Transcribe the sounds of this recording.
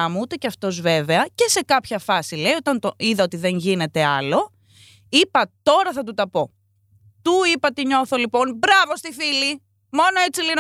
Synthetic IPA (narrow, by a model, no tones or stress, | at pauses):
ɐmuut̪e̞ceɐft̪o̞zve̞ve̞ɐce̞se̞kɐpçɐfɐsileio̞t̪ɐnt̪oiðɐo̞t̪iðe̞ŋʝine̞t̪e̞ɐlo̞ | ipɐt̪o̞ɾɐθɐt̪ut̪ɐpo̞ | t̪uipɐt̪iɲo̞θo̞lipo̞nbɾɐvo̞st̪ifili | mo̞noe̞t͡silin